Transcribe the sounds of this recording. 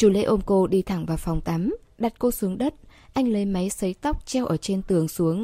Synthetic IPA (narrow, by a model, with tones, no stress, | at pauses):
t͡ɕu˧˩lḛ˧˥ʔo˧mko˧ɗi˧t̪ʰa˧˩ŋvaː˨˩wfa˨˩wŋ͡mt̪a˨˦mɗa˨˩t̚ko˧su˨˦əŋɗə˦˥t̚ʔa˧jŋ̟lə˨˦jma˨˦jsə˨˦jt̪a˦˥wk͡p̚t͡ɕɛ˧wʔəː˧˩t͡ɕe˧nt̪ɨ˨˩əŋsu˨˦əŋ